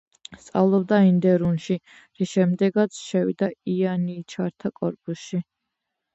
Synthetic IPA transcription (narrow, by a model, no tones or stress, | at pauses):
st̪sʼa̰vlˠɔb̚d̪aind̪ɛɾunʃi | ɾiʃɛmd̪ɛɡat̪sʰʃɛwḭd̪aianiːt͡ʃʰaɾt̪ʰakʼɔɾpʼusʃi